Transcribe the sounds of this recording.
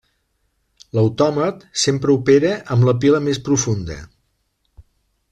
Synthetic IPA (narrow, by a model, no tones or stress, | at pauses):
ləwt̪ɔmət̪sempɾəupeɾəʔəmbləpiləmespɾufund̪ə̰